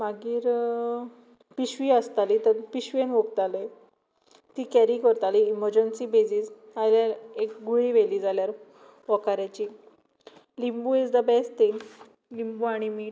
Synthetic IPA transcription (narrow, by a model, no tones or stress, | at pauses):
maɡiːɾ | piɕʋiəst̪alit̪əɾpiɕʋenʋok̚t̪ale | t̪iːkɛɾikəɾt̪aliːməɾd͡ʑənsibed͡ʑiːs | aljaɾekɡuɭiʋeliːd͡zaljaɾ | ʋɔkaɾjat͡ɕiː | limbuːid͡zd̪əbɛsʈt̪iŋ | limbuaɽ̃imiːʈ